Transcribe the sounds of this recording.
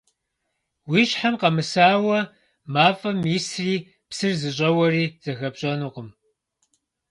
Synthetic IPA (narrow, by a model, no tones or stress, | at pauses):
wiːɕħamqɐmɨsaːwɐ | maːfʼɐmisriː | psɨrzɨɕ̬ʼɐwɐriːz̥ɐɣɐbɕʼɐnuːqəm